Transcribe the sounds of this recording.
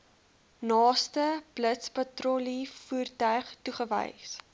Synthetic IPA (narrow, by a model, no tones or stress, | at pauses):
nɑːstəb̥lətspɐtrolifuːrtœɥχtuχəvə̰js